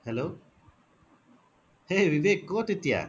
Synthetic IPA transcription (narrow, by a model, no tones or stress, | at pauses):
hɛloː | heːʋiʋeːkːoːʈ̪it̪ja̰